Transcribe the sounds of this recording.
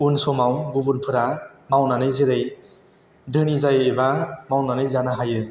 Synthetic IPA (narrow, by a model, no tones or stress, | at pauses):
unsɔmawɡubunpʰɯɾamawnanɯjzeɾej | dʱɯnizajebamawnanɯjzanaɦajɯ